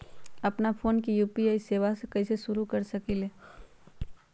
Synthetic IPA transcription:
ɐpnafoːnk̬ijuːpiaːiseːʋasekɛɪseʃʊɾukɐɾsɐkiːleː

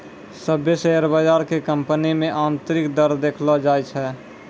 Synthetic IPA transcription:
səbjesəɦəɾbəd͡ʒaːɾkekə̃mpənimẽʔaːnt̪ɾɪkd̪əɾd̪eːkʰlɔd͡ʒaːjt͡ʃʰɛː

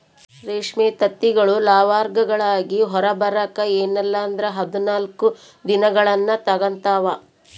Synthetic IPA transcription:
ɾeːʂmeːt̪ɐt̪ːiɡɐɭulaːʋaːɾɡɐɡɐɭaːɡiɦɔɾɐbɐɾɐkɐeːnɛlːaɐnd̪ɾɐɦɐd̪unaːlku | d̪inɐɡɐɭɐnːɐt̪ɐɡɐnt̪aːʋɐ

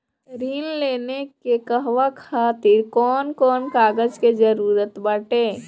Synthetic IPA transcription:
ɾiːnleːnekekəɦʋakʰaːt̪ɪɾkɔːnkɔːnkaːɡəd͡ʒked͡ʒəɾuːɾət̪bəʈeː

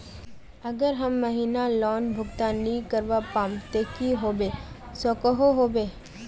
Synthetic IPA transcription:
ɐɡəɾɦəmːɐɦiːnalɔːnbʱʊɡt̪anikəɾʋapãːmt̪ekiɦoːbeː | sokəɦoɦoːbeː

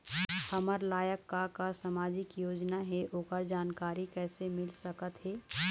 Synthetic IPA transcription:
hɐməɾlaːjəkːakasəmaːd͡ʒɪkjoːd͡ʒnaɦɛʔoːkəɾd͡ʒaːnkaːɾikɛːsemɪlsɐkət̪ɦɛː

